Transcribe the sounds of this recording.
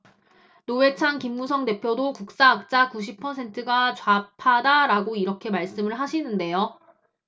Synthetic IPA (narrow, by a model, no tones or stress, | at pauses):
noe̞t͡ɕʰaŋkimɡusʰʌŋde̞pʰjodokuk̚s͈aːk̚t͡ɕ͈akuɕ̬ʰipʰʌsʰe̞ntʰɯɡat͡ɕwapʰadaɾaɡoiɾʌkʰe̞maɭs͈ɯmɯɭɦaɕʰinɯnde̞jo